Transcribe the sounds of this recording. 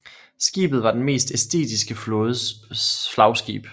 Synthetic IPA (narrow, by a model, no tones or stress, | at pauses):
sɡ̥ḭːb̥ð̩ˠʋɑ̈d̥enme̝̰ːsd̥esd̥e̝̰ːd̥ʰisɡ̥əfɔð̩ˠflɑ̈ʊsɡ̥ḭːb̥